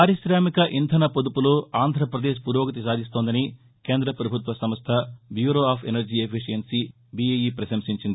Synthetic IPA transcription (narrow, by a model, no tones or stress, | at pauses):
paːɾiʃɾaːmikɐʔint̪ʰɐnɐpod̪upuloːaːnd̪ʱɾɐpɾɐd̪eːʃpuɾoːɡɐt̪isaːd̪ʱist̪oːnd̪ɐni | keːnd̪ɾɐpɾɐbʱut̪ʋɐsɐmɐst̪ʰɐbjuːɾoːaːpʰenɐɾd͡ʒiepʰiʂijɐnsi | biejiːpɾɐʃɐmsiɲt͡ʃind̪i